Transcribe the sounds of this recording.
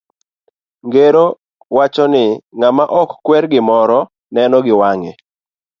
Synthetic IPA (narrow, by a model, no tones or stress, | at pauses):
ŋɡeɾo | wat͡ʃɔnɪŋamaʔɔkːwɛɾɡɪmɔɾɔ | nɛnɔɡɪwaŋe